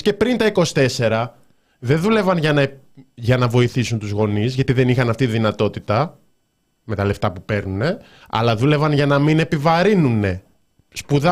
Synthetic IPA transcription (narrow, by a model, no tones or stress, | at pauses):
ce̞pɾint̪ɐiko̞si̥t̪e̞se̞ɾɐ | ðe̞nðule̞vɐnʝɐnɐ | ʝɐnɐvo̞iθisunt̪uzɣo̞nizʝɐt̪iðe̞nixɐnɐft̪iiðinɐt̪o̞t̪it̪ɐ | me̞t̪ɐle̞ft̪ɐpupe̞ɾnune̞ | ɐ̰lɐðule̞vɐnʝɐnɐmine̞pivɐɾinune̞ | spuðɐ